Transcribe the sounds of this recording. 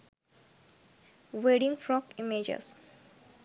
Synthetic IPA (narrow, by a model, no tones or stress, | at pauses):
ʋeɖĩŋfɾɔkimed͡ʒḛs